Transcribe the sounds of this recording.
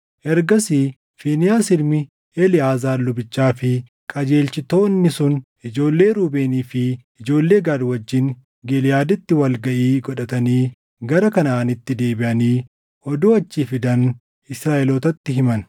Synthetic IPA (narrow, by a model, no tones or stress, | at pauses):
ʔɛɾɡɐsi | fiːnɪjaːsɪlmɪ | ɛlɪaːzaːlːʊbɪt͡ʃːaːfɪ | kʼɐd͡ʒe̞ːlt͡ʃɪt̪o̞ːnːɪsʊnʔɪd͡ʒo̞ːlːe̞ːɾuːbeːniːfɪː | d͡ʒo̞ːlːe̞ːɡaːd̪wɐd͡ʒːɪŋ | ɡɛlɪjaːd̪ɪt̪ːɪwɐlɡɐʔiːɡɔᶑɐt̪ɐniː | ɡɐɾɐkɐnaːnɪt̪ːɪd̪e̞ːbɪʔɐniː | ʔɔd̪uːɐt͡ʃːiːfɪd̪ɐn | ɪsɾaːʔɛloːt̪ɐt̪ːɪɦɪmɐn